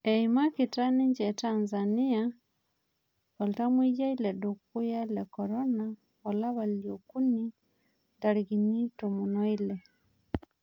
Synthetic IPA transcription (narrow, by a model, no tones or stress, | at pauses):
eimakitaniɲd͡ʒɛtanzania | ɔltamwijailɛdokujailɛkɔɾɔna | ɔlaβaljokuni | ndaɾiɣinitomunoilɛ